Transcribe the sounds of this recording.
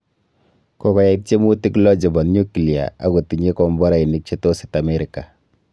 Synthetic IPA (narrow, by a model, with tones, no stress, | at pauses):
kɔ˨kɔ˨ja˨i˦t̚t͡ʃe˦mu˦ti˦klɔ˦d͡ʒɔ˨bɔ˨nɲu˦kli˨a̰˨a̰˨ko˨ti˨ɲe˦kɔ˨mbɔ˦ɾa˨i˨ni˦k̚t͡ʃe˦to˦si̥˨ta˨me˦ɾi˨ka˨